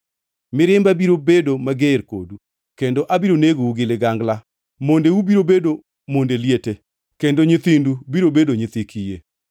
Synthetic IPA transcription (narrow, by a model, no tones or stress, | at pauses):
mɪɾɪmbabiɾobedomaɡɪɾko̰du | kendoʔabiɾoneɡouɡɪlɪɡaŋɡla | mondewubiɾobedo | mondeljete | kendoɲɪt̪indubiɾobedoɲɪt̪ɪkʰije